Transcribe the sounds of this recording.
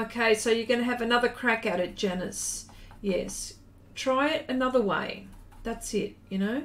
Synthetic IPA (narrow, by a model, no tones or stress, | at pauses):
oʊkʰeɪsoʊjə˞ɡʌñɨːvɨnʌðə˞kʰɹ̥ækɨʊɾɨt̚d̥ʒ̥ɛnɨsjɛ̰s | tʰɹ̥aɪɨɾɨnʌðə˞wḛɪðætsɪt̚jɨnoʊ